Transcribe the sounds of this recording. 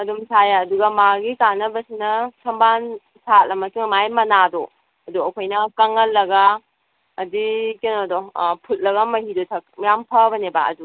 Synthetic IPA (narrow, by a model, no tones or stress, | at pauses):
ɐdumsʰajaːduɡɐmaɡikanːɐbɐsinɐsɐmban | sat̚lɐmɐsuŋmajmɐnado | ɐduɐkʰojnɐkɐŋɐlːɐɡaː | dikenodopʰut̚lɐɡɐmɐhidotʰɐk̚mjampʰɐbɐneba̰ɐ̰du